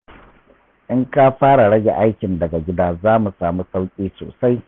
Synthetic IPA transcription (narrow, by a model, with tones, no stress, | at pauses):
ʔɪ˦ŋka˦ɸaː˦ɽa˨ɽɐ˦ɡʲe˨ʔa˦jkʲɪ˨ndɐ˨ɡa˨ɡʲɪ˦daː˦zaː˦mu˨saː˨mu˦sa˦wkʲʼiː˦so̰ː˨sa˦j